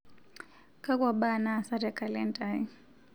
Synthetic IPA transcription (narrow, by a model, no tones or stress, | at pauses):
kakwaɓanasaɾakalantʼai